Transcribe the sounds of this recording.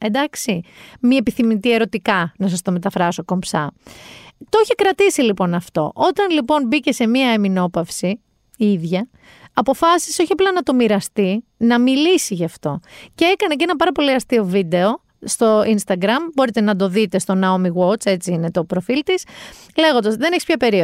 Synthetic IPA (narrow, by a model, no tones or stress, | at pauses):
end̪ɐksimiepiθimit̪ie̞ɾo̞t̪ikɐnɐs̬ɐst̪o̞me̞t̪ɐfɾɐso̞ko̞mpsɐ̰ | t̪ooçekɾɐt̪isilipo̞nɐft̪o̞̰ʔo̞t̪ɐnlipo̞nbice̞se̞miɐemino̞pɐfsi | iðʝɐː | po̞fɐsi̥seoçiɐplɐnɐt̪o̞miɾɐst̪inɐmilisiʝɐft̪o̞ceekɐneceenɐpɐɾɐpo̞liɐst̪io̞vid̪e̞o̞ | st̪o̞inst̪ɐɡɾɐmbo̞ɾit̪e̞nɐd̪o̞ðit̪e̞st̪o̞nɐomiɣwo̞t͡se̞t͡siine̞t̪o̞pɾo̞filt̪isle̞ɣond̪ɐzðe̞neçispçɐpe̞ɾio